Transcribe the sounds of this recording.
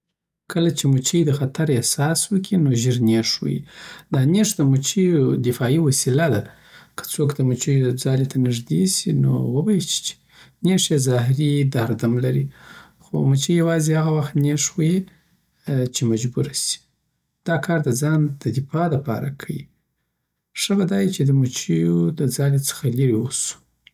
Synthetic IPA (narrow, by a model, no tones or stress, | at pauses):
kʰəlat͡ʃemut͡ʃəjd̪əxat̪aɾehsɑswəkʰinoʒiɾneʂwṵjḭd̪ɑneʂd̪əmut͡ʃijod̪ɪfɑiwasilad̪a | kʰə̥t͡sokd̪əmut͡ʃəjod͡zɑlet̪ʰanɪʐd̪esino̰wəbajit͡ʃi̥t͡ʃe̥ | neʂezɑɦɾid̪aɾd̪amlaɾi | xo̰mut͡ʃijawɑzihaɣawaxt̪neʂwue | t͡ʃemad͡ʒbuɾasi̥ | d̪̥ɑkʰɑɾd̪əd͡zɑnd̪əd̪ɪfɑd̪əpɑ̰ɾa̰kʰajḭ | ʂəbad̪ɑjit͡ʃed̪əmut͡ʃijod̪əd͡zɑlet͡sə̥xaliɾiwosu̥